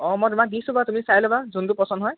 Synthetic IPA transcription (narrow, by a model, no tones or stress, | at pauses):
ɔmɔjtumak̚disubatumisajlɔbazund̪upɔsɔndɦɔj